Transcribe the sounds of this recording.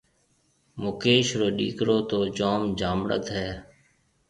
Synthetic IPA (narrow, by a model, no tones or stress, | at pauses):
mʊkeːʃɾoːɗiːkɾoːt̪oːd͡ʒoːmd͡ʒʱaːmɽə̰t̪ɦɛː